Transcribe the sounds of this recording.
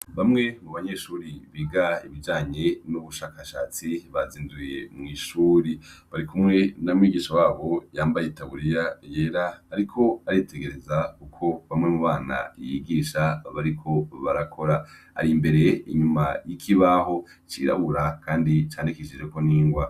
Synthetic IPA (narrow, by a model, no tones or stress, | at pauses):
βamŋe̞muβaɲeʃuːɾiβiːɡaiβid͡ʒaːɲe̞nuβuʃaːkaʃa̰ːt͡siβaziːnduje̞mŋiːʃuːɾiβaɾikʰumŋe̞namŋwiːɡiːʃawaːβo̞jaːmbajetaβuɾijaje̞ːɾaːɾikʰo̞aɾitʰe̞ɡe̞ɾe̞zakukʰo̞βamŋe̞muβaːna̰jiɡiːʃaβaɾikʰo̞βaɾakʰo̞ɾa | a̰ɾimbe̞ɾe̞iɲumajikʰiβaɦo̞ | t͡ʃḭɾa̰βuɾakʰaːndit͡ʃaːnikeʃid͡ʒe̞ko̞niːŋɡwa